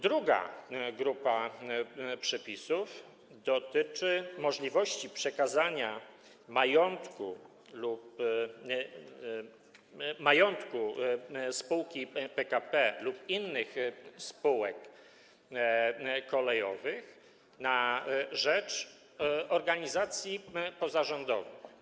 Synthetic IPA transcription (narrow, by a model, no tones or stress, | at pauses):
d̪ɾuɡa̰ɡɾupa | pʂɛpʲisuf | d̪ɔt̪ɘt͡ʂɘmɔʐlʲivɔɕt͡ɕipʂɛkazaɲa | majɔnt̪ku | lup | majɔnt̪kuspuwkʲipɛkapɛlupinːɘxspuwɛk | kɔlɛjɔvɘx | naʐɛt͡ʂ | ɔɾɡaɲizat̪sʲjipɔzaʐɔnd̪ɔvɘx